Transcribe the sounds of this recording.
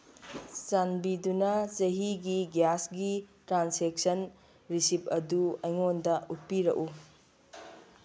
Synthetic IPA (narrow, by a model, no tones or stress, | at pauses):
sanbidunɐt͡ʃɐɦiɡiɡjasɡitɾansek̚sɐn | ɾisip̚ɐduɐjŋondɐut̚piɾɐ̰ʔu